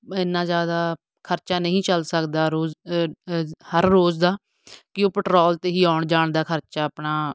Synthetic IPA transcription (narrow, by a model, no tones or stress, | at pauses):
ɪnːãːzjaːd̪aː | kʰəɾt͡ʃaːnəɦĩːt͡ʃəlsəkd̪aːɾoː | həɾːoːzd̪aː | kɪoːpəʈɾoːlt̪eːɦiːaːʊɳd͡ʒaːɳd̪aːkʰəɾt͡ʃaːpnaː